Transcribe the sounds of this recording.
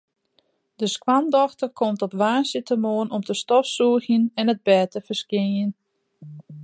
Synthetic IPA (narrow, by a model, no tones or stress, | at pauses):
dəskwandɔxtərkʰɔmtɔpʋaːsətəmoənɔmtəstɔfsuəxjənɛnəd̚bɛːtəfəskjɪnjən